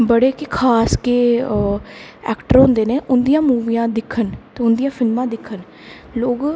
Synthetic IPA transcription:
bəɽeːkɪkʰaːskeː | ɛ̰ːkʈəɾɦõnd̪eːneːʔʊnd̪ijãːmuːʋiːjãːd̪ɪkʰːənt̪eːʊnd̪ijãːfʰɪlmãːd̪ɪkʰːən | loːɡ

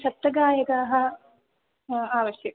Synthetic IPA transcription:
ʃɐt̚t̪ːɐɡaːjɐkaːɦɐ̆ | aːʋɐʃjɐɐ

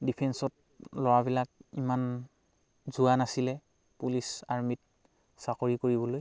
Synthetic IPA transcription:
dipʰɛnsɔt̚ | lɔwabilak̚iman | zuanasilɛ | pulisaɹmit̚ | sakoɹikoɹibɔloj

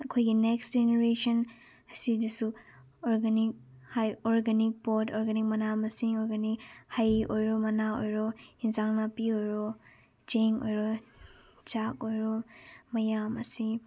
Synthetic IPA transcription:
ɐkʰojɡinekstd͡ʒeneɾesɐn | ɐsidisu | ɔɾɡanik̚hajɔɾɡanik̚pɔtɔɾɡanik̚mɐnamɐsiŋɔɾɡanikhajojɾɔmɐnaojɾɔinzaŋnapiojɾɔ | d͡ʒeŋojɾɔ | t͡ʃakojɾɔmɐjamɐsi

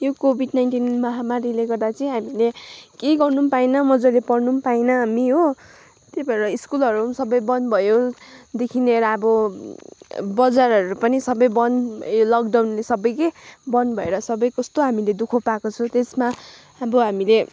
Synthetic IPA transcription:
jokobʱiɖnajnʈinmʌɦamaɾileɡʌrd̪at͡sʌĩɦamilekeɡʌrnupainʌmʌd͡zʌlepʌrnumpainʌɦamiɦo | t̪ebʌɾʌiskulʌɾusʌbʌjbʌnbʱʌjod̪ekʰineɾʌʌbʌ | bʌd͡zarʌɾupʌnisʌbʌjbʌnbʱʌjolʌɡ̚d̪awnlesʌbʌjkʌjbʌnbʱʌeɾʌsʌbʌjkʌst̪oɦamiled̪ukʰopakot͡sʰʌ̃t̪esma | ʌbʌɦamile

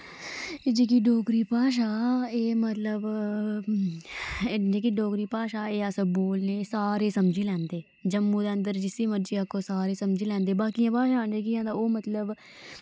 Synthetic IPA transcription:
d͡ʒeːk̬iːɖoːkɾiːpaːʃ̬aːeːmət̪ləb | d͡ʒeːk̬iɖɔːkɾiːpaːʃaːeːəsəboːlneːsaːɾeːsəmd͡ʒiːlɛ̃ːnd̪eː | d͡ʒəmːuːd̪eːə̃nd̪əɾd͡ʒɪsiːməd͡ʒiːakoːsaːɾeːsəmd͡ʒiːlɛ̃ːnd̪eːbaːkijãːpaːʃaːnd͡ʒeːkiãːd̪aːoːmət̪ləb

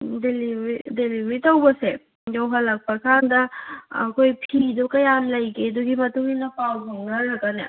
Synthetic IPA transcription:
deliidelimitawbɐse | dawɦɐlɐk̚pasʰandɐkʰojpʰidɔkɐjanlɐjkeduɡimɐtuŋinɐpawbʱuŋnɐɾɐɡane

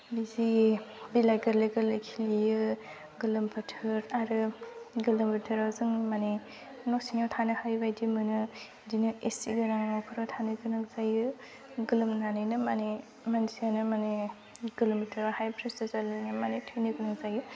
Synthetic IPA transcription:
bizibilaɡɐɾleɡɯɾlɯjkʰilijɯ | ɡɯlɯmpʰɯtʰɯɾaɾɯɡɯlɯmbitʰɯɾawzɯŋmani | nɔk̚siŋawtʰanɯhajbajdimɯnɯ | dinɯesḭɡɯnaŋnawkʰɯɾatʰanɯɡɯnak̚zajɯ | ɡɯlɯmnanɯnɯmani | mansianɯmane | ɡɯlomitʰɯɾawhajpʰɾesizaɾlɯnɯmanetʰɯjnɯɡɯnak̚zajɯ

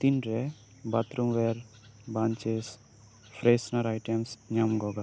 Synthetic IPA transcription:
t̪inɾɛ | bɐt̪ɾumʋeɾ | baːnt͡ʃes | fʰɾesnɐɾajʈemsɲamɡɔɡa

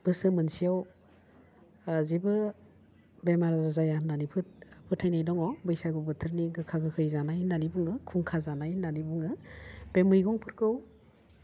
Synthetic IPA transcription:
b̥ɯsɯmɯnsijaw | zibɯ | bemaɾazazajanːanipʰɯt̚pʰɯtʰajnajdɔŋɔbɯjsaɡɯbɯtʰɯɾniɡɯkʰaɡɯkʰɯjzanajnanibuŋɯkʰuŋkʰazanajnanibuŋɯb̥emɯjɡɔŋpʰɯɾkɯw

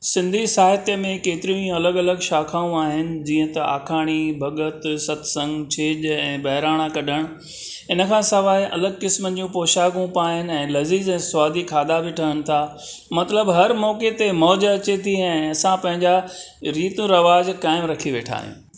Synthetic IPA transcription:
sɪ̃nd̪ʱisaːɦɪt̪jəmẽkeːt̪ɪɾijũĩɐləɠɐləɡʃaːkʰaːũaːɦɪnɪ̆d͡ʑiːə̃t̪ɐa̰ːkʰaːɽ̃ibʱɐɠət̪sɐt̪ʰsɐ̃ŋɡt͡ɕʰeːʄɛ̃ːbɐɦɪɾaːɽ̃akɐɗəɽ̃ | ɪnə̆kʰãːsɐʋaːeʔɐ̰ləɡkɪsmənɪ̆d͡ʑũpoːʃaːɡũpaːɦɪnɪ̆ɛ̃ːlɐziːzɛ̃ːsʋaːd̪ʱikʰaːd̪abiʈʰɐɦənɪ̆t̪ʰa | mɐt̪ləbɦɐɾmɔːket̪emɔːd͡ʑɐt͡ɕet̪ʰiɛ̃ːɐsãpɐ̃ɦɪ̃ɲd͡ʑa | ɾiːt̪ũɾɐʋaːd͡ʑkaːɪmɾɐkʰiʋeːʈʰa̰ːɦḭ̃

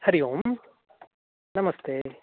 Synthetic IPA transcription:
hɐɾijoːm | nɐmɐst̪ʰeː

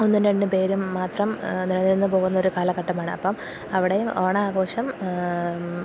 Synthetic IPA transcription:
onːindeɳɖɨpe̞ːɾumːaːt̪rɐmnilɐnːiɾunːɨpo̞ːɣunːɐoɾukaːlɐkɐʈːɐmaːɳɨ̰ɐ̰pːɐm | ɐʋiɽejumoːɳɐaːɣo̞ːʂɐm

